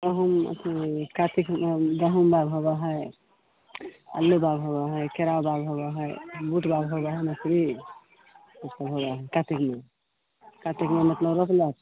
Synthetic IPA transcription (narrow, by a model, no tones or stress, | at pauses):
d̪əɦumə̰t̪ʰikat̪ikd̪əɦumbaɡɦobaɦəj | ə̰lːubaɡɦobaɦəkeɾawbaɡɦobaɦəjbuʈbaɡɦobaɦəjmətɾi | mət̪ləbɦobaɦəjkat̪ikme | kat̪ikmemət̪ləbɾokʰlet̪